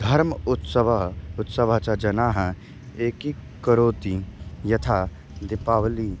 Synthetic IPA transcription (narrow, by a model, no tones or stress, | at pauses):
d̪ʱɐɾmʊt̪səʋʊt̪səʋat͡ʃad͡ʒɐnaɦɛ̃ | eːkikəɾoːt̪ijɐt̪ʰa | d̪ɪpaːʋli